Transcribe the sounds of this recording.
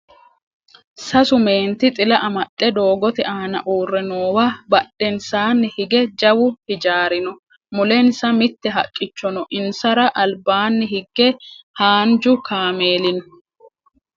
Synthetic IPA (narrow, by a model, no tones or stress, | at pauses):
sɐsʊme̞ːnt̪ɪt̪ʼɪlɐʔɐmɐt̪ʼːɛd̪o̞ːɡɔt̪ɛʔaːnɐ̰ʔuːrːɛnoːwɐbɐɗːɛnsaːnːɪhɪɡɛd͡ʒɐwʊhɪd͡ʒaːɾɪnɔ | mʊlɛnsɐmɪt̪ːɛɦɐkʼːɪt͡ʃːɔnɔʔɪnsɐɾɐʔɐlbaːnːɪhɪɡːɛhaːnd͡ʒʊkaːme̞ːlɪnɔ